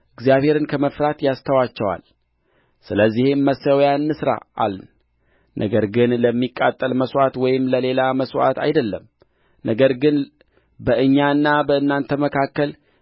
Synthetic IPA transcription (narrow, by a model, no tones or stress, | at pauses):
ʔɨɡzijaβhe̞ɾɨnkʰəməfɾat̪jast̪ʰəwat͡ʃːɛwa̰l | sɨləzːihemːəsəwjanːɨsɾa̰ʔa̰ln | nʔə̰ɡəɾɡɨnləmːikʼːat̪ʼːəlməswʷat̪wɔjɪmləle̞laməswa̰t̪a̰jd̪əlːəm | nʔəɡəɾɡɨn | bəʔɨɲːaɨnːabəɨnːant̪ʰəməkʰakːəl